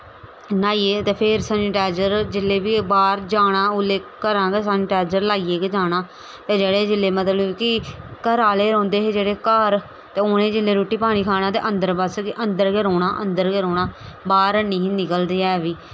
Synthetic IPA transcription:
naːieːt̪eːpʰɪɾsənɪʈaːd͡ʒəɾd͡ʒɪlːeːbiːbaːɾd͡ʒaːɽ̃aːʊleːkkəɾãːɡeːsənɪʈaːd͡ʒəɾlaːiːeːked͡ʒaːɽ̃aː | t̪eːd͡ʒeːɽeːd͡ʒɪlːeːmət̪ləkɪkəɾaːleːɾɔ̃ːnd̪eːɦeːd͡ʒeːɽeːkəɾ | t̪eːʊnẽːd͡ʒɪlːeːɾoːʈːiːpaːɽ̃ĩːkʰaːɽ̃aːt̪ḛːʔənd̪əɾbəskɪʔənd̪əɾɡeːɾoːɽ̃aːʔə̰nd̪əɾkeːɾoːɽaːbaːɾəniːɦnɪkəld̪eːɛːʋiː

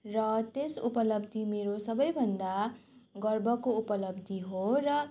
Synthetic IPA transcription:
rʌt̪esupʌlʌbd̪imeɾosʌbʌjbʱʌnd̪aɡʌrbʌkoupʌlʌbd̪ʱiɦorʌ

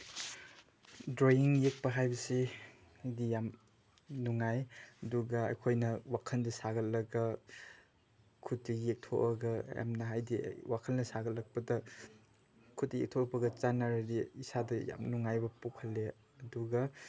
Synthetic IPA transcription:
dɾojiŋjek̚pɐɦajbɐsi | ajdijam | nuŋajɐduɡɐɐ̰jkʰojnɐwakʰɐndɐsaɡɐlɐɡɐ | kʰut̚ːijek̚tʰoʔɐɡɐja̰mnɐɦajdḭwakʰɐlnɐsaɡɐtlɐk̚pɐdɐ | kʰut̚ːijek̚tʰokpɐɡɐt͡ʃanaɾɐdiisadɐja̰mnuŋajbɐpukʰɐlːe | ɐduɡɐ

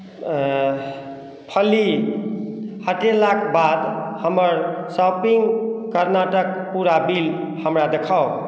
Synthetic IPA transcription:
pʰʌli | haʈelakʰbad̪hʌmʌɾsapiŋkəɾnaʈʌk̚puɾabilhəmɾad̪ekʰaw

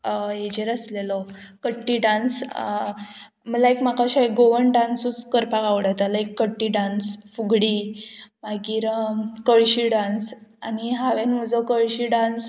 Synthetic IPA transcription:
əed͡ʑəɾəslelɔkəʈːiɖãns | məlaekmakaɕaeɡoʋəɳɖãnsut͡skəɾpaɡaʋɽat̪alaekːəʈːiɖãnsfuɡɽimaɡiːɾkəɭɕiɖãnsaniɦaʋenm̤əd͡zɔkəɭɕiɖãns

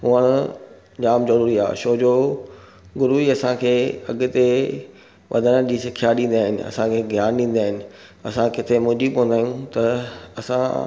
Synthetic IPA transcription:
ɦʊəɽ̃ʊ | d͡ʑaːmzɐɾuːɾia̰ːʃoːd͡ʑoː | ɡʊɾuiɐsãkʰeːɐ̰ɠʊ̆t̪e | ʋʔɐ̰d̪ʱənəd͡ʑiːsɪkʰijaɗĩːnd̪aːɦɪnɪ̆ɐ̰sãkʰeːɡʱjaːnɗĩːn̆d̪aːɦɪnɪ̆ | ɐ̰sãkɪt̪ʰemʊːd͡ʑibõnd̪aːijũt̪ɐɐsã̰

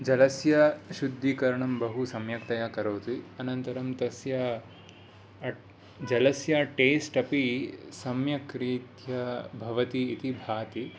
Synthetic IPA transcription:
d͡ʒɐlɐsjɐʃud̪ʱːikɐɾɐɳɐmbɐɦusɐmjɐkt̪ɐjakɐɾoːt̪iɐnɐnt̪ɐɾɐmt̪ɐsjɐ | d͡ʒɐlɐsjɐʈeːsʈɐpisɐmjɐkɾiːt̪jɐbʱɐʋɐt̪iːt̪ibʱaːt̪i

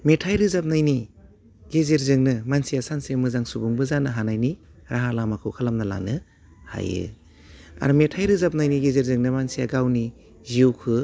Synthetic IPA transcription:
metʰajɾɯzap̚najni | ɡezeɾzɯŋnɯmansijasansemɯzaŋsubuŋbɯzanɯɦanajni | ɾaɦalamakʰɯwkʰalamnala̰nɯ | ha̰jɯ̰ | a̰ɾumetʰajɾɯzap̚najniɡezeɾzɯŋnɯmansijaɡawni | ziwkʰɯ

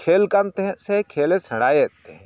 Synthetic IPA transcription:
kʰeːlkɐmt̪eɦsekʰeːlesʰɐɽaːjt̪eɦ

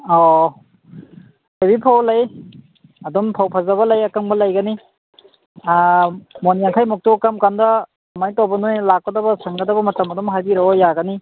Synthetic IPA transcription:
ɔ | hebipʰawlaj | ɐdɔmpʰawpʰazaβɐlajakaŋbɐlajɡani | mɔnijaŋkʰajmuk̚tukamkandɐː | majtɔbɔnujlakːɔdabɐsaŋɡadabɐmɐtamɐdɔmɦajbiɾɔɔjaɡani

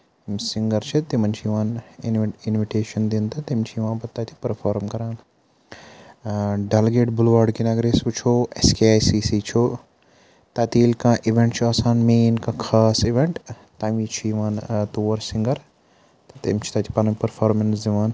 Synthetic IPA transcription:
msiŋɡɐɾt͡ʃʰit̪imɐnt͡ʃʰijʋãːnnɪnʋiʈeːʃɐnd̪int̪ʰɐt̪imt͡ʃʰijʋãːnpɐt̪ːaːt̪ʰi̥pɐɾfʰaːɾmkɐɾaːn | ɖɐlɡeːʈbʊlʋaːɾɖkinaɡɾeːsʋut͡ʃʰoːeskeaːjsiːsit͡ʃʰoː | t̪ɐːt̪iːlkãːʔiʋẽɳʈt͡ʃʰuɐːsãːnmeːnkãːkʰaːsiʋẽɳʈ | t̪ãːʋĩːt͡ʃʰujiʋãːnt̪uːɾsɪ̃ŋɡɐɾ | t̪ɐt̪imt͡ʃʰi̥t̪ɐːt̪ʰi̥pɐnɐmpɐɾfʰaːɾmɐnsd̪iʋaːn

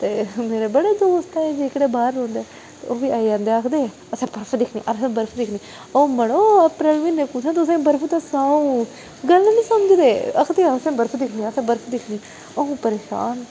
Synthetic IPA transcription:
t̪eːmeːɾeːbəɽeːd̪oːst̪aːɛːd͡ʒiɪkɽeːbaːɾõːnd̪eː | t̪eoːʋiːaːid͡ʒãːnd̪eːəkʰd̪eː | əsɛ̃ːbəɾpʰːd̪ɪkʰnḭːʔəɾsẽːbəɾpʰd̪ɪkʰniː | oːməɽoːəpɾəlʋiːnːẽːpʊt͡ʃʰãːt̪ʊsẽːbəɾpʰuːt̪ãːsaːũː | ɡəlːnĩːsəməd͡ʒd̪eːə̰kʰd̪eːasẽːbəɾpʰːd̪ɪkʰniəsɛ̃ːbəɾpʰːd̪ɪkʰniː | oõːpəɾeːʃa̰ːn

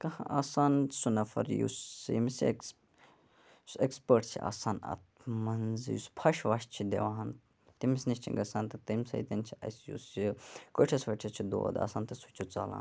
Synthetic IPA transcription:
kɐhãʔaːsaːnsunɐfɐ̰ɾjṵsjḭmisk | ekspəɾʈsʰḭʔa̰ːsaːnɐ̰t̪mɐnzjuspʰɐʃʋaːʃt͡ʃʰid̪ḛʋaːn | t̪imisniʃʲt͡ʃʰiŋɡɐsaːnt̪ɨt̪ɐmʲsɐ̰it̪ɐnt͡ʃʰiɐ̰sjṵːsikoʈʰɐsʋɐʈʰɐst͡ʃʰid̪o̰ːd̪a̰ːsaːnt̪ɐsut͡ʃʰut͡sa̰ːla̰ːn

